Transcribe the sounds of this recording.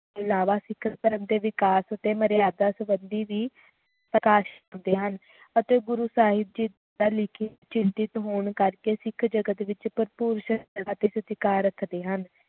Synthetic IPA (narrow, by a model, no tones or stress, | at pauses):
ɪlaːʋaːsɪkʰəkəɾəmd̪eːʋɪkaːsət̪eːməɾɪjaːd̪aːsəbənd̪iːʋiː | pɾəkaːʃ | nd̪eːɦən | ət̪eːɡʊɾuːsaːɦɪb̪̚d͡ʒid̪ | aːlɪkʰit͡ʃɪnt̪ɪt̪ɦoːɳkəɾkeːsɪkʰd͡ʒəɡət̪ʋɪt͡ʃpəɾpuːɾʃəəat̪eːsət̪ɪkaːɾəkʰd̪eːɦən